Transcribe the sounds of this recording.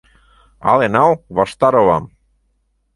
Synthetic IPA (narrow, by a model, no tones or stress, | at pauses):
a̰lenawβaʃt̪aɾoβam